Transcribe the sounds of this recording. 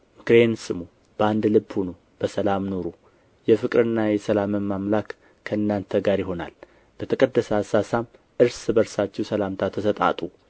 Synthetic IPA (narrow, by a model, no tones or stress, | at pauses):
mɨkɾe̞nsɨmu | b̥əand̪lɨbhuno | b̥əsəlamno̞ɾu | jɛfɨkʼɾɨnːajɛsəlaməmːamlakːʰ | əɨnːant̪ʰəɡaɾjɪɦo̞na̰l | b̥ət̪ʰəkʼəd̪ːəsasasam | ʔɨɾsbəɾsat͡ʃːɛwsəlamt̪ʰat̪ʰːəsət̪ʼa̰t̪ʼu